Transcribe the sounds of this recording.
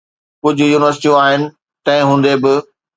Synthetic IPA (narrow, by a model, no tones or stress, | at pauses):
kʊd͡ʑʱʊ̆juːnɪʋəɾsɪ̥ʈijũaːɦɪnɪ̆ | t̪ɐ̃ɦɪ̃ɦũːn̆d̪ebɪ